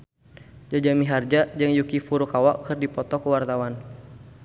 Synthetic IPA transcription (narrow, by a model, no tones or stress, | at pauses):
d͡ʒad͡ʒamiɦard͡ʒad͡ʒɨŋjukifuɾukawaʔkərdipɔt̪ɔkəwart̪awan